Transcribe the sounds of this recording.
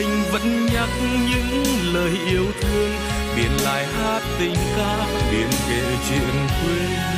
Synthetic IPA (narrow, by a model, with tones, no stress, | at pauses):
a˧ŋ̟və̰˧˥nɲa˦˥k̚ɲɨ̰˧˥ŋləː˨˩jʔi˧əwt̪ʰɨ˧əŋ | ɓḭ˨˩ənla̰ː˧˨jhaː˦˥t̚t̪ï˧˩ŋ̟kaː˧˥ | ɓi˧˨˩ənkḛ˧˨t͡ɕḭ˧˨ənt̪ʰwe˧